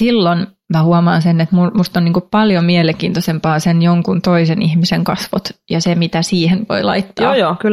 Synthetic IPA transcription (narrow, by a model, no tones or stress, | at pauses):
silːon | mɑhuɑmɑːnsenːet̪mumust̪onniːŋkuppɑljomieleŋkiːnt̪osempɑːsenjoŋkunt̪oisenihmiseŋkɑsʋo̰t̪jɑsemit̪æsiːhenʋo̰ilɑ̰it̪ːɑoːjoːkyl